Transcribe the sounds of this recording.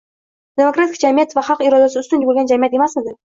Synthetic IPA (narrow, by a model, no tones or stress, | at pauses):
d̪̥e̞mokɾat̪ʰɪkʲd͡ʒamijat̪vaχɑqɪɾɒd̪asɪʊst̪ʊnbolʲˠɡʲand͡ʒamijat̪e̞masmɪd̪ɪ